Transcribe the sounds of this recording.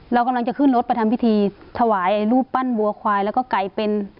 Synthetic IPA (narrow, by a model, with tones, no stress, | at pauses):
la˧wka˧mla˧ŋt͡ɕa˧˩kʰɯ˧˥˩nlo˧˦t̪̚pa˧t̪ʰa˧˦mpi˧˥t̪ʰiː˧t̪ʰa˧waː˨˦jʔa˧˩jluː˥˩pːa˧˥˨nbu˨˩˦əkʰwaː˧jlɛː˧˩kɔː˧˩ka˨˩jpe˧n